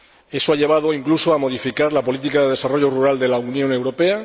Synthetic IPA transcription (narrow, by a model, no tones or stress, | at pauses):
e̞soaʎe̞β̞að̞o̞iŋklusoamo̞ðifikaɾlapo̞lit̪ikaðe̞ðe̞saroʝo̞ruɾald̪e̞launjone̞wɾo̞pe̞a